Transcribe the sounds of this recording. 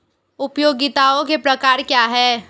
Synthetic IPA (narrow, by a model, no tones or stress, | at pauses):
ʊpjoːɡɪt̪aːõkepɾɐkaːɾkjaːɦɛː